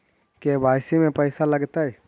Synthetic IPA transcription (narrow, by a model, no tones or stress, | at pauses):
kebʱaːjsimẽpɛɪsalɐɡt̪aɦɛː